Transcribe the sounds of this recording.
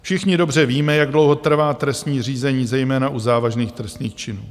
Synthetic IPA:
fʃɪxɲɪdo̞br̝ɛviːmɛjaɡdlo̞wɦo̞t̪r̩vaːt̪ɾɛst̪ɲiːr̝iːzɛɲiːzɛjmɛːnaʔuzaːvaʒniːxt̪ɾɛst̪niːxt͡ʃɪnuː

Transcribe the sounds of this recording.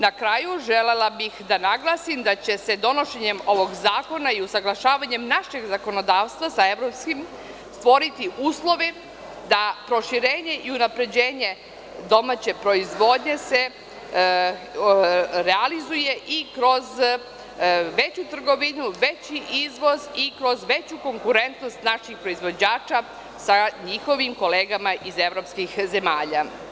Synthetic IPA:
nakɾaːjuʒe̞le̞labixd̪anaɡlˠaːsimd̪at͡ɕe̞se̞d̪o̞no̞ʃe̞ɲe̞mo̞ʋo̞ɡzaːko̞naiusaɡlˠaʃaːʋaɲe̞mnaʃe̞ɡzako̞no̞d̪aːʋst̪ʋasae̞ʋɾo̞pskim | st̪ʋo̞ɾit̪iʔuːslˠo̞ʋi | d̪apɾo̞ʃiɾe̞ːɲe̞ʔiunapɾe̞d͡ʑe̞ːɲe̞ | d̪o̞mat͡ɕe̞pɾo̞izʋo̞d̪ɲe̞se | ɾealizuje̞ʔikɾo̞z | ʋe̞t͡ɕut̪r̩ɡo̞ʋinuʋet͡ɕiʔizʋo̞zikɾo̞zʋe̞t͡ɕuko̞ŋkuɾe̞nt̪no̞st̪naʃixpɾoizʋo̞d͡ʑaːt͡ʃa | saɲixo̞ʋimko̞leːɡamaʔize̞ʋɾo̞pskixze̞maːʎa

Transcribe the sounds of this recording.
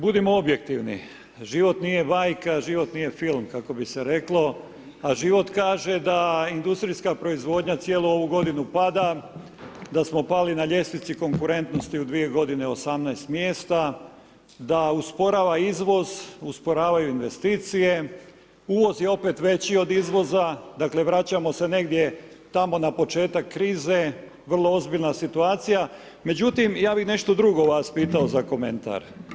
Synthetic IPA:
bud̪imo̞obje̞kt̪iʋnḭ | ʒiʋo̞t̪nije̞baːjkaʒiʋo̞t̪nije̞filˠmkako̞biseɾe̞klˠo̞ | aʒiʋo̞t̪kaːʒe̞d̪aind̪ust̪ɾiskapɾo̞izʋo̞ːd̪ɲat̪sjeːlˠuo̞ʋuɡo̞d̪inupad̪a | d̪asmo̞palinaʎe̞snit̪siko̞ŋkuɾe̞nt̪no̞st̪iud̪ʋije̞ɡo̞d̪ine̞osamnajst̪mje̞ːst̪a | d̪auspo̞ɾaːʋaizʋo̞zuspo̞ɾaːʋajuinʋe̞st̪iːt̪sije̞ | uːʋo̞zjeo̞pe̞t̪ʋe̞t͡ɕio̞d̪izʋo̞zad̪akle̞ʋɾat͡ɕamo̞se̞ne̞ɡd̪je̞ | t̪amo̞napo̞t͡ʃe̞ːt̪akːɾiːze̞ | ʋr̩lˠo̞o̞zbiʎnasit̪uaːt̪sija | me̞d͡ʑut̪imjaːbixne̞ʃt̪o̞d̪ɾuɡo̞ʋaːspiːt̪aozako̞me̞̰nt̪a̰ɾ

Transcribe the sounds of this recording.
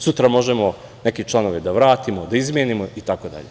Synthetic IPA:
sut̪ɾamo̞ʒemo | neket͡ʃlˠano̞ʋed̪aʋɾaːt̪imod̪aizmʲjenimoit̪akod̪a̰ʎe

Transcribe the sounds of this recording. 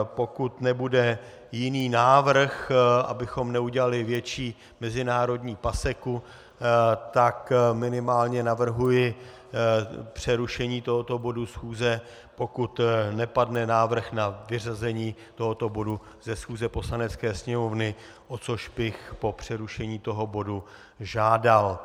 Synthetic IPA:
po̞kut̪nɛbudɛ | jɪniːnaːvr̩xʔa̰bɪxo̞mnɛuɟɛlalɪvjɛt͡ʃiː | mɛzɪnaːɾo̞dɲiːpasɛku | t̪akmɪnɪmaːlɲɛnavr̩ɦujɪ | pr̝̥ɛɾuʃɛɲiːt̪oɦo̞t̪o̞bo̞dusxuːzɛ | po̞kut̪nɛpadnɛnaːvr̩xnavɪrazɛɲiːt̪o̞ɦo̞t̪o̞bo̞du | zɛsxuːzɛpo̞slanɛt͡skɛːsɲɛmo̞vnɪ | ʔo̞t͡so̞ʃbɪxpo̞pr̝̥ɛɾuʃɛɲiːt̪o̞ɦo̞bo̞du | ʒaːdal

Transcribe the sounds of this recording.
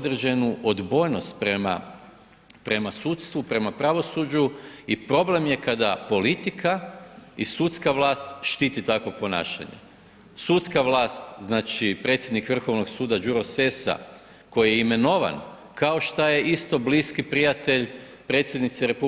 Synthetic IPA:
d̪ɾed͡ʑe̞nuʔod̪bo̞jno̞st̪pɾema̰ | pɾe̞masut̪st̪ʋupɾe̞mapɾaʋo̞sud͡ʒuipɾo̞ble̞mje̞kad̪apo̞lit̪ikʰaisut̪skaʋlˠaːst̪ʃt̪iːt̪it̪ako̞po̞na̰ːʃa̰ɲḛ | sut̪skaʋlaːst̪znaːt͡ʃipɾe̞t̪sʲje̞d̪nikʋr̩xo̞ʋno̞ɡsuːd̪ad͡ʒuɾo̞se̞sa̰ | ko̞jijeime̞no̞ʋa̰n | kao̞ʃt̪aje̞ʔist̪o̞bliːskipɾijat̪e̞ʎ | pɾe̞t̪sjed̪nit̪seɾe̞pu

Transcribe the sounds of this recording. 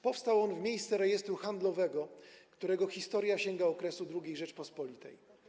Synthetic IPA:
pɔfst̪awɔnvmʲejst̪sɛɾɛjɛst̪ɾuxand̪lɔvɛɡɔkt̪uɾɛɡɔxʲist̪ɔɾjaɕɛŋɡaɔkɾɛsud̪ɾuɡʲejʐɛt͡ʂpɔspɔlʲit̪ɛ̰j

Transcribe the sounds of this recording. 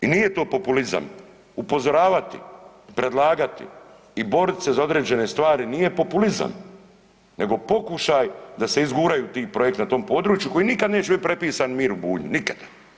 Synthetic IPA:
inije̞t̪o̞ːpo̞puliza̰m | upo̞zo̞ɾaːʋat̪ḭ | pɾe̞d̪laːɡat̪ḭ | ibo̞ɾit̪se̞zao̞d̪ɾe̞ːd͡ʑe̞ne̞st̪ʋaːɾinije̞po̞puliza̰m | ne̞ɡo̞po̞kuʃajd̪ase̞izɡuːɾajut̪iːpɾo̞je̞k̚t̪nat̪o̞ːmpo̞ːd̪ɾuːt͡ʃjuko̞jinikad̪neːt͡ʃubipɾe̞piːsanmiːɾubuːɲinikḁd̪̥a

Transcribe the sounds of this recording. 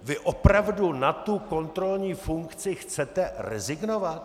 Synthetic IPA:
vɪʔopɾavdunat̪uko̞nt̪ɾo̞lɲiːfuŋkt͡sɪxt͡sɛt̪ɛrɛ̰zɪɡnovat̪

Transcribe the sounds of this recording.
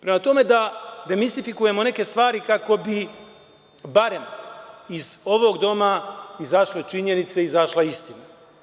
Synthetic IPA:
pɾe̞mat̪o̞me̞d̪ad̪e̞mist̪ifikuje̞mo̞ne̞ke̞st̪ʋaːɾikako̞bi | baɾe̞miz̥o̞ʋo̞ɡd̪o̞maizaʃle̞t͡ʃiɲe̞nit̪se̞izaʃlaist̪ina

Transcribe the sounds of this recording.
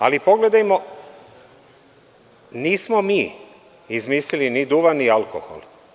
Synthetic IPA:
a̰lipo̞ɡled̪ajmo | niːsmomiː | izmiːslilinid̪uʋanialko̰xo̰lˠ

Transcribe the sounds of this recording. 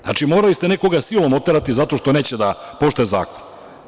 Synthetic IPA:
a̰t͡ʃimo̞ːɾalist̪eneko̞ɡasilomot̪eɾat̪izat̪o̞ʃt̪one̞ːt͡ɕed̪apo̞ʃt̪oeza̰ːko̥n

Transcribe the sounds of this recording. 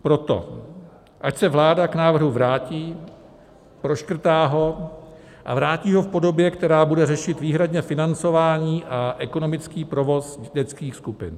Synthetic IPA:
pɾo̞t̪o̞̰ | ʔacsɛvlaːdaknaːvr̩ɦuvɾaːciː | pɾo̞ʃkr̩t̪aːɦo̞ | ʔa̰vɾaːciːɦo̞fpo̞do̞bjɛkt̪ɛɾaːbudɛrɛʃɪt̪viːɦɾadɲɛfɪnant͡so̞vaːɲiːʔaʔɛko̞no̞mɪt͡skiːpɾo̞vo̞sɟɛt͡skiːxskupɪn

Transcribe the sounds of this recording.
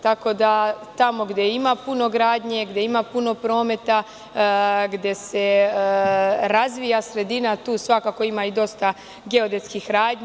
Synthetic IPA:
t̪ako̞d̪at̪amo̞ɡd̪jeimapunoɡɾaːd̪ɲe̞ɡd̪je̞imapuno̞pɾo̞ːme̞t̪a | ɡd̪je̞se̞ | ɾazʋijasɾe̞d̪inat̪uːsʋakako̞imaid̪o̞st̪a | ɡe̞o̞d̪et̪skixɾaːdɲ

